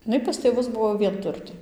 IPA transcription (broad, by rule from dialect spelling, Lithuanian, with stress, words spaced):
ɪˈnɐɪ pɐs tʲeːˈʋʊs ˈbʊʋoː ʋʲiɛnˈtʊrʲtʲeː